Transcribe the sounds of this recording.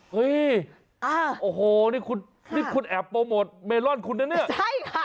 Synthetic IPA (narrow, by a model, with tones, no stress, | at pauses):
ʔɤ˦˥j | a˧˩ʔoː˨˩ɦoː˨˩niː˥˩kʰu˧n | niː˥˩kʰu˧nʔɛː˨˩pːoː˧mo˨˩t̪̚meː˧nlɔ˥˩nkʰu˧nːa˥˨ni˥˩ɐt͡ɕʰa˥˩j